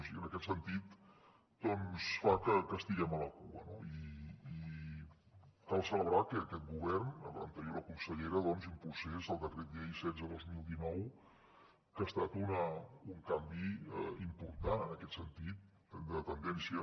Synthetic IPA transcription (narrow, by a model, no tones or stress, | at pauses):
siiənəkɛt̪sənt̪it̪ | d̪ɔnsfakəkəst̪iɣɛmələkuə̰noiː | kalˠsələβɾakəːkɛt̪̚ɡuβ̞ɛrnələ̰nt̪əɾjoɾəkunsəʎeɾəðɔnzumpɾusezðəlˠd̪əkɾet̪̚ɛisɛd͡zəðozmilˠd̪inɔw | kəːst̪at̪unəuŋkambiimpuɾt̪anənəkɛt̪sənt̪it̪̚ | d̪ət̪ənd̪ɛnsiə